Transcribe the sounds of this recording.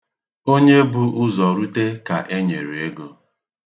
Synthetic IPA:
o˦ɲe˦bʊ˨ʔʊ˦zɔ˨ɾu˦te˦ka˨ʔe˦ɲe˨ɾe˨e˦ɡo˦

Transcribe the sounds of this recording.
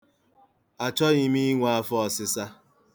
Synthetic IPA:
a˨t͡ʃɔ˦i˦mi˦i˦ŋʷa˨a˦fɔ˦ɔ˨sɪ˦sa˦

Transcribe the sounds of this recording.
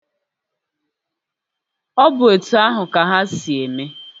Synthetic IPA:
ɔ˦bʊ˨e˨tu˨a˦ɦʊ˨ka˨ɦa˦si˨e˨me˦

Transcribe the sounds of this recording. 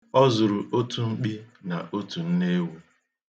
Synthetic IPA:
ɔ˦zʊ˨ɾʊ˨ʔo˦tʰu˦ŋ͡m̩˦k͡pi˦na̰˨ʔo˦tu˨n̩˦ne˦we˦

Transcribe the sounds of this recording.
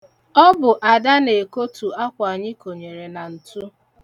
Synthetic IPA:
ɔ˦bʊ˨ʔa˨da˦ne˨ko˦tu˨a˦kʷa˨ɲɪ˦ko˨ɲe˨ɾe˨na˨n̩˨tu˦

